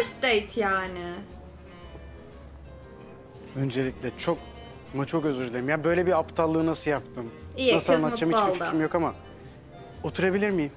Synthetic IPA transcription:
st̪ejt̪ʰjaːnɪ | ø̞nd͡ʒe̞lʲiclʲɛt͡ʃʰo̞k̚ | mat͡ʃʰokøzøɾlʲeɾimjabø̞jlʲɛbiapt̪ʰalˠːɯːnasɯjap̚t̪ʰɯminasɯlˠanːˠatt͡ʃːamit͡ʃˠimjokama | ot̪ʰuɾabilʲiɾmijim

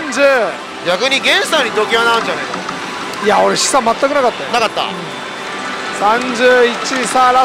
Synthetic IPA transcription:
nd͡ʑɯ | ɡʲakɯɲiɡẽ̞nsaɲit̪okʲiβanaɯnd͡ʑanajk | jaoɾeɕi̥samːat͈ːakɯnakat̪͈̚ːajonakat̪͈ːa̰ɯ | sand͡ʑɯit͡ɕ͈isaɾa

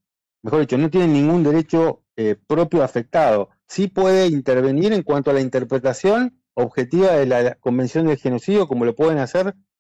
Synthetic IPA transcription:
mexoɾðit͡ʃo̞no̞t̪je̞ne̞nːĩŋɡund̪e̞ɾe̞t͡ʃo̞ | epɾo̞pjoafe̞k̚t̪að̞o | sipwe̞ðeint̪eɾβ̞e̞niɾe̞ŋkwant̪oalaint̪eɾpɾet̪asjo̞n | o̞βxe̞t̪iβaðe̞lako̞mbe̞nsjo̞nd̪e̞lxe̞no̞siðjo̞ko̞mo̞lo̞pwe̞ðenaseɾ

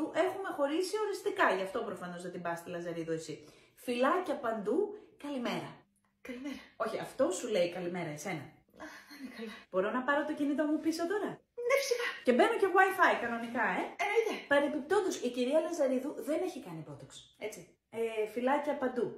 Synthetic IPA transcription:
uʔe̞xume̞xo̞ɾisio̞ɾist̪ikɐʝɐft̪o̞pɾo̞fɐno̞zðɐt̪imbɐst̪elɐzɐɾiðuesi | filɐcɐpɐnd̪ukɐlime̞ɾɐ | kɐlimeɾɐo̞çiɐft̪o̞sule̞ikɐlime̞ɾɐese̞nɐ | ɐɐnekɐlɐb̥o̞ɾo̞nɐpɐɾo̞t̪o̞cinit̪o̞mupisot̪o̞ɾɐ | nefi̥sixɐce̞be̞noce̞ɣwajfɐikɐno̞nikɐe̞enɐiðpɐɾepip̚t̪o̞nd̪osiciɾiɐlɐzɐɾiðuðe̞ne̞çikɐnipɾo̞t̪okse̞t͡si | efilɐcɐpɐnd̪u

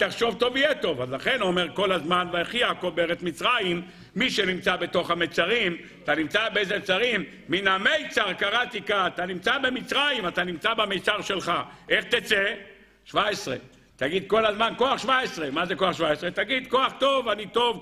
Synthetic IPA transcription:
t̪aχʃo̞vt̪o̞vijet̪o̞vazlaχe̞nomeʁko̞lazmanveeχiakobeʁet̪mit͡sʁajimː | iʃe̞nimt͡sabe̞t̪o̞χhamejt͡saʁim | at̪animt͡sabeezet͡saʁimː | inamejt͡saʁkaʁat̪ikaːt̪animt͡sabe̞mit͡sʁajimat̪animt͡sabamejt͡saʁʃe̞lχaʔe̞χt̪et͡se | ʃvaesʁḛ | t̪aɡid̪ko̞lazmankoaχʃvaesʁemazeko̞aχʃvaesʁet̪aɡid̪ko̞aχt̪o̞vanit̪o̞v

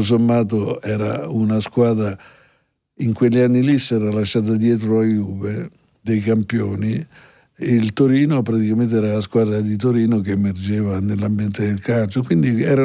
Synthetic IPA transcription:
s̬omːaːt̪̬oɛːɾaunaskwaːd̪ɾa | iŋkwelːianːilisɛːɾalaʃːaːt̪̬ad̪jɛːt̪̬ɾoajuve | d̪ejkampjoːni | lt̪oɾiːnopɾat̪ikament̪̬eɛːɾalaskwaːd̪ɾad̪it̪̬oɾiːnokeːmerd͡ʒeːvanelːambjɛnt̪ed̪elkalt͡ʃokwind̪iɛɾa

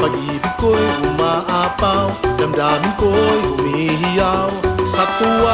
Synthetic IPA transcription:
paɡit̪ikojʔumaʔapawdamdamikojumiɦijawsat̪ːua

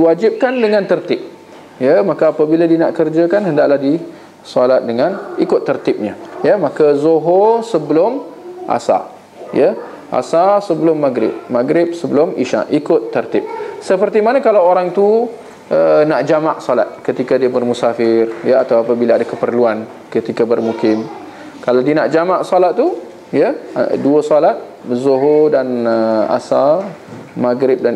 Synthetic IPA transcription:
diwad͡ʒɪp̚kandəŋãnt̪ərt̪ɪp̚ | jəmãkaːpabiladinaʔkərd͡ʒakanɦəndaʔlahdi | sɔlat̪̚dəŋanikʊt̪ːərt̪ɪp̚ɲajəmakazoɦɔsəbəlʊmʔa̰sa̰ | jə | ʔa̰sasəbəlʊmːaɡɾɪ̰p̚maɡɾɪp̚səbəlʊmiʃa̰ʔʔikʊt̪ːərt̪ɪp̚səpərt̪imanakalawoɾaŋt̪u | ʔənaʔd͡ʒamaʔsɔlat̪̚kət̪ikadiabərmusafɪrjəat̪awapabilaːdakəpərluan | kət̪ikabərmukɪm | kalawdinaʔd͡ʒamaʔsɔlat̪̚t̪ːu | jəduəsɔlat̪̚ | bəzoɦodanəa̰sa | maɡɾɪp̚dan

